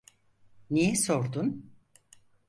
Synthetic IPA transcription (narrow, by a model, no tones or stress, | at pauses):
nijɛsoɾd̪un